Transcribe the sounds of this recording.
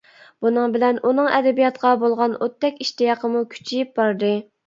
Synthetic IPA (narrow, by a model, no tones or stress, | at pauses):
b̥unɨŋbɪlɛnunɨŋɛ̰d̪ɛbijɑt̪qɑbolˠʁɑnot̪ːɛkʲiʃt̪jɑqʰəmukʲʰy̥t͡ʃʰijip̚bɑɾd̪ɨ